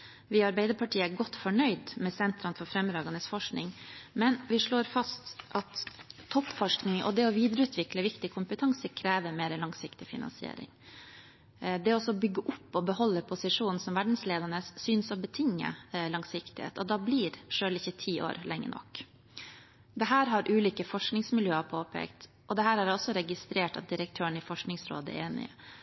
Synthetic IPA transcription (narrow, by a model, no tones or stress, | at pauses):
ʋɪɑɾbæɪd̪əɾpʰɑʈiːəæɾɡɔt̪ːfɔɳœʏd̪mɛsɛnt̪ɾɑnfɔɾfɾɛmːɾɑːɡɑnəsfɔʂknɪŋmɛnʋɪʂɭoːɾfɑst̪ʔɑt̪ʰːɔpːfɔʂknɪŋʔɔ̰d̪ɛɔʋiːd̪ɾəʉːt̪ʰʋɪkləʋɪkt̪ɪkʰʊmpət̪ʰɑŋsəkʰɾeːʋəɾmeːɾəlɑŋsɪkt̪ɪfɪ̰nɑ̰nsɪḛːɾɪ̰ŋ | d̪ɛɔsɔbʏɡːəʔʊpːɔbəhɔlːəpʰʊsɪʂuːnn̩sɔmʋæɖɳ̩sleːd̪əɳəssyːnsɔbət̪ʰɪŋːə̰lɑŋsɪkt̪ɪhḛːt̪ɔd̪ɑbliːɾʂøːlɪçːət̪ʰiːʔo̰ːɾlɛŋːə̰ɳʔɔ̰k | d̪ɛɦæːɾɦɑɾʔʉːliːkəfɔʂknɪŋsmɪljøːəpʰoːpʰḛːkt̪ | ʔɔd̪ɛɦæːɾhæɾɔsːɔɾɛɡɪst̪ɾeːʈɑ̰t̪̚d̪ɪɾək̚t̪ʰøːəɳɪfɔʂknɪŋsɾo̰ːd̪əɛ̰eːnɪ̰ə̰